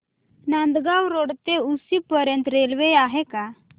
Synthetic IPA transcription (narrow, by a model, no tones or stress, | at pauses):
nãnd̪ɡawɾoɽt̪eusipəɾjə̃nt̪ɾelʋejaɦeka